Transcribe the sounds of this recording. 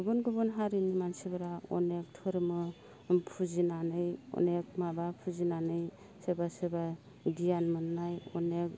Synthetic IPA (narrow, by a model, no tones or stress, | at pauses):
ɡɯbunɡɯbunɦaɾɯnimansibɯɾaɔ̰nek̚tʰɯɾmɯ | pʰuzinanɯjɔ̰nek̚mabapʰuzinanɯj | sɯbasɯba | ɡijanmɯnnajɔ̰nek̚